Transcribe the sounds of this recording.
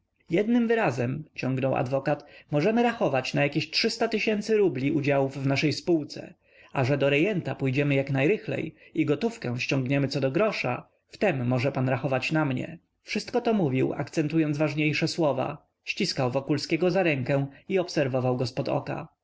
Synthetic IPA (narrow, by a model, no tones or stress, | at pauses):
jɛd̪nɘmvɘɾazɛmt͡ɕɔ̃ŋɡnɔwa̰d̪vɔkat̪mɔʐɛmɘɾaxɔvat͡ɕnajakʲeɕtʂɘst̪at̪ɘɕɛnt̪sɘɾublʲiʔud͡ʑawuvːnaʂɛjspuwt̪sɛ̰ | aʐɛd̪ɔɾɛjɛnt̪apujd͡ʑɛmɘjaknajɾɘxlɛ̰jiɡɔt̪ufkɛw̃ɕt͡ɕɔ̃ŋɡɲɛmɘt̪sɔd̪ɔɡɾɔʂa̰ | ft̪ɛmːɔʐɛpanɾaxɔvat͡ɕnamɲɛ̰ | fʂɘst̪̚kɔt̪ɔmuvʲiwa̰kt̪sɛnt̪ujɔnd̪zvaʐɲejʂɛswɔva̰ | ɕt͡ɕiskawvɔkulskʲɛɡɔzaɾɛŋkɛ̃iɔpsɛɾvɔvawɡɔspɔd̪ɔ̰ka̰